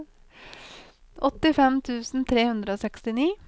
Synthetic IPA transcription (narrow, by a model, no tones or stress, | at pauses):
ʔɔt̪ːɪfɛmt̪ʰʉːsn̩t̪ʰɾeːhʉnd̪ɾəoːsɛkst̪ɪniː